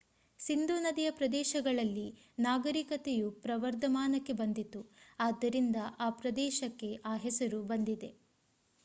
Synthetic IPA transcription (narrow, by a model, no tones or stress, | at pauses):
sind̪uːnɐd̪ijɐpɾɐd̪ɛːʃɐɡɐɭɐlːi | naːɡɐɾikɐt̪ejupɾɐʋɐɾd̪ʱɐmaːnɐkːe̞bɐnd̪it̪uaːd̪ːɐɾind̪ɐʔaːpɾɐd̪ɛːʃɐkːe̞ʔaːɦɛsɐɾubɐnd̪id̪e̞